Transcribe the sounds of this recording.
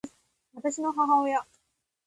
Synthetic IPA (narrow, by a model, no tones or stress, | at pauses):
βat̪aɕinoɦõɦaojo